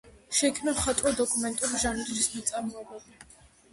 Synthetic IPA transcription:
ʃɛikʰmnamχat̪ʼwɔd̪ɔkʼumɛnt̪ʼuɾiʒanɛɾɾismat̪sʼaɾmɔɛbabi

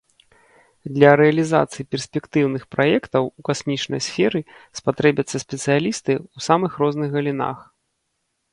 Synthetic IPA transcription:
d̪lʲɐɾɛɐlʲiza̰t̪sɨjipʲɛrsʲpʲɛkt̪ɨwnɨxpɾajɛkt̪ɐwukasʲmʲit͡ʂnɐ̰jsʲfʲɛɾɨspat̪ɾɛbʲɐt̪sːɐsʲpʲɛt̪sɨjalʲist̪ɨusamɨxɾɔznɨɣɣɐlʲina̰x

